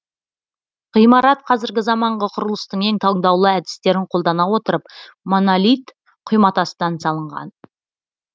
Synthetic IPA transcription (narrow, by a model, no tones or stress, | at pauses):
ʁ̥ijmɑɾɑt̪̚qʰɑzɪɾɡʲɪzɑmɑɴʁəqʰʊɾəlˠəst̪əɴe̞ŋt̪ʰɑɴd̪ɑwlˠəæd̪ɪ̥st̪e̞ɾɪɴqʰolˠd̪ɑnɑwo̞t̪əɾəp | monolʲijt̪ | qʰʊjmɑt̪ɑsəd̪ɑnsɑlˠəɴʁɑ̰n